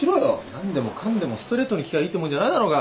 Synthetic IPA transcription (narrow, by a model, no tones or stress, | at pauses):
iɾoonãnd̪e̞mo̞kʰãnd̪e̞mo̞sɨ̥t̪o̞ɾe̞ːt̪ːonʲikʲiɡaiːt̪omoɯ̃ɲd͡ʑanaid̪aɾo̞ːɡa